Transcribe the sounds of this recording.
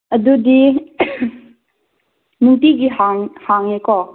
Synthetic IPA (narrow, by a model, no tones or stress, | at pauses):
ʔɐdudi | nuŋtiɡiɦaŋhaŋɛkɔ